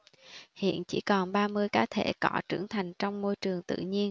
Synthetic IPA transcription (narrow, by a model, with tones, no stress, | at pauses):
hḭ˧˨ənt͡ɕi˧˩kɔ˨˩nɓaː˧mɨ˧əjkaː˧˥t̪ʰe˧˩kɔ˧˩˥t͡ɕɨ˧˩əŋt̪ʰa˨˩jŋ̟t͡ɕɔ˧wŋ͡mmo˧jt͡ɕɨ˨˩əŋt̪ɨ̰˧˨ɲi˧ən